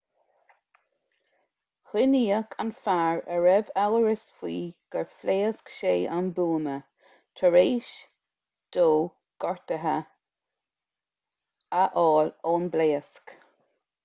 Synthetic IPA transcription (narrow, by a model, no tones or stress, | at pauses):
xɪniːəkʰanfaɹəɹɛvawəɹɪsfwiːɡ̥əɹfleːskʃeːʔanbuːmə | tʰəɹeːʃ | d̪̥oː | ɡ̥ɔɹt̪əɦə | aʔɔːloːnbleːəsk